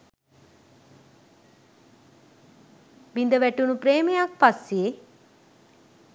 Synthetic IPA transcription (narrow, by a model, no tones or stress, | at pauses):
ʋind̪əʋæʈunupɾeːmejak̚pase